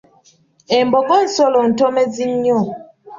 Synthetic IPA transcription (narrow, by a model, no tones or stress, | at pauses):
emboɡon̩solon̩tomeziɲːo